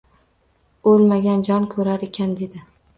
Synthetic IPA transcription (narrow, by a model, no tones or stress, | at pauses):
ɵlmaɡʲand͡ʒɒnkʰɵɾaɾekʲʰand̪e̞d̪ɪ